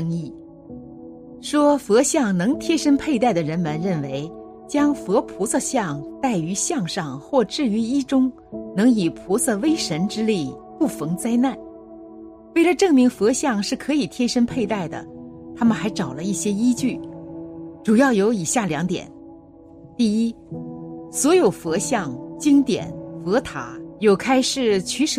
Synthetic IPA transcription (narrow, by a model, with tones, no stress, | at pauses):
ŋi˥˩ | ʂwɔ˥fɤ˧˥ɕjɑ˥˩ŋnɤ˧˥ŋt̪ʰjɛ˥ʂə˥npʰe˥˧ɪt̪a˥˩ɪd̪ə˩ɻə˧˥nmə˨nɻə˥˩nwe˧˥ɪ | t͡ɕjɑ˥ŋfɤ˧˥pʰu˧˥sɤ˥˧ɕjɑ˥˧ŋt̪a˥˩ɪy˧˥ɕjɑ˥˧ŋʂɑ˥˧ŋxwɔ˥˧˩ʈ͡ʂɻ̩˥˩y˧˥i˥ʈ͡ʂʊ˥ŋ | nɤ˧˥ŋi˨˩pʰu˧˥sɤ˥˧we˥ɪʂə˧˥nʈ͡ʂɻ̩˥li˥˩pu˥˩fɤ˧˥ŋt͡sa˥ɪna˥˩n | we˥˩ɪlə˩ʈ͡ʂɤ˥˩ŋmi˧˥ŋfɤ˧˥ɕjɑ˥˧ŋʂɻ̩˥˩kʰɤ˧˥i˨˩t̪ʰjɛ˥ʂə˥npʰe˥˧ɪt̪a˥˩ɪd̪ə̰˩t̪ʰa˥mə˨nxa˧˥ɪʈ͡ʂɑ˨˩ʊlə˦i˥˩ɕjɛ˥i˥t͡ɕy˥˩ | ʈ͡ʂu˨˩jɑ˥˩ʊjo˧˥ʊi˨˩ɕja˥˩ljɑ˧˥ŋt̪jɛ̰˨˩˦n | t̪i˥˩i˥ | swɔ˧˥jo˨˩ʊfɤ˧˥ɕjɑ˥˩ŋt͡ɕi˥ŋt̪jɛ̰˨˩˦nfɤ˧˥t̪ʰa̰˧˥jo˨˩ʊkʰa˥ɪʂɻ̩˥˩t͡ɕʰy˧˥ʂ